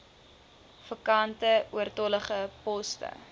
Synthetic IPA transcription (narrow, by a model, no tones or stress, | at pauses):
fəkɐntəuərtɔləχəpɔstə̰